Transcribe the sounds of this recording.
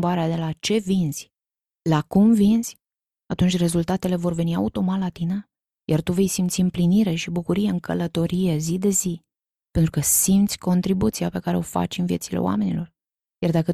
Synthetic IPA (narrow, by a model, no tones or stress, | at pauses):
baɾead̪e̞lat͡ʃe̞vinz̥ʲ | lakumvinz̥ʲ | at̪unt͡ʃʲre̞zult̪at̪e̞le̞vo̞rve̞nia̰ut̪o̞mat̪lat̪inə | jart̪uve̞jsimt̪siɨmpliniɾe̞ʃibukuɾijeɨŋkʰə̰lət̪o̞ɾije̞zid̪e̞zi | pent̪ɾukəsimt̪sʲko̞nt̪ɾibut̪siape̞kaɾe̞o̞fa̰t͡ʃʲɨnvije̞t̪sile̞̰oa̰me̞nḭlo̞r | jard̪akə